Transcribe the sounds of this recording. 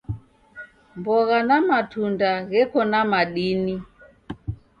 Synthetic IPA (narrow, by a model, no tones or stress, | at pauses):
mbɔɣanamatundaɣɛkɔnamaɗini